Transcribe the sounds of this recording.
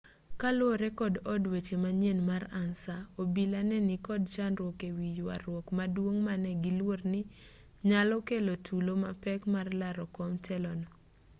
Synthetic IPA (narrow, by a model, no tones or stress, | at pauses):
kalwoɾɛkɔdɔdwet͡ʃemaɲenmaɾansaobilanɛnikɔd̚t͡ʃanɾwɔkewijwa̰ɾwɔkmadwoŋmanɛɡilwornɪ | ɲalɔkelotʰuloma̰pɛkmarlaɾɔkɔmtʰɛlɔnɔ